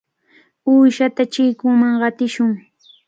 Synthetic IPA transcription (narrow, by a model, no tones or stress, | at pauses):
uːʃat̪at͡ʃɪjkʊŋmaŋɢɑt̪ɪʃʊŋ